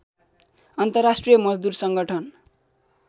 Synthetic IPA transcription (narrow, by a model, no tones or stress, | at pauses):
ʌnt̪ʌrasʈrijʌmʌd͡zd̪ursʌŋɡʌʈʰʌn